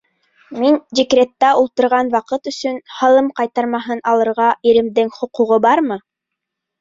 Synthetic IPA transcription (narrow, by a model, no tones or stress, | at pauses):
mind̪ʲikrʲet̪ːæʔulˠt̪ɤ̆ɾʁɑnwɑqɤt̪ɵ̆sɵnhɑlˠɤmqɑjt̪ɑɾmɑɦɤnɑlˠɤ̆ɾʁɑiɾɘ̆md̪ɘŋχŏquʁobɑɾmɤ